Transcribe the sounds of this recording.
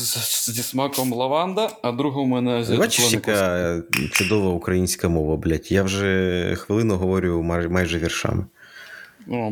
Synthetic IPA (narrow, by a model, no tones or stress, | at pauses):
zʲismɑkɔmlˠɐʋɑnd̪ɐɐd̪ɾuɦɔmɛnɛzʲʋat͡ʃisʲika | t͡ʃʊd̪ɔʋɐukɾɐjinʲsʲkɐmɔʋɐblʲatʲjawʒɛxʋɪlˠɪnɔɦɔʋɔɾʲʊjʊmmɑjʒɛʋʲirʃɑ̰mɪ